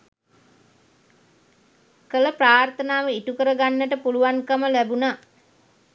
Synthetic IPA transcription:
kələpraːrt̪ənaːʋəiʈukəɾəɡanːəʈəpuluʋankəməlæbunaː

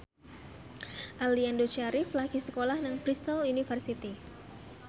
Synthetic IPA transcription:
ʔaliandot͡ʃaɾɪflaɡ̥isəkolahnəŋpɾist̪ɔlunifərsit̪i

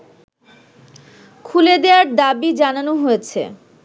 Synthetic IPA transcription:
kʰuled̪ewaɾd̪abid͡ʑananoɦojet͡ɕʰḛ

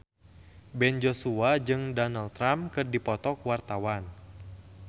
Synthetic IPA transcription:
bɛnd͡ʒosuad͡ʒɨŋdɔnalt̪ɾamkɨrdipɔt̪ɔkuwart̪awan

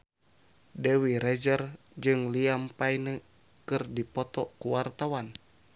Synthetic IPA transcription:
dewiɾɛd͡ʒər | d͡ʒɨŋliampajnə | kɨrdipɔt̪ɔkuwart̪awan

